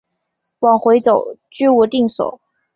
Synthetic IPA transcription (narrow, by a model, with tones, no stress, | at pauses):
wɑ˨˩ŋxwe˧˥ɪt͡so˨˩˦ʊt͡ɕy˥wɔ˨˩t̪i˥˩ŋswɔ̰˨˩˦ʊ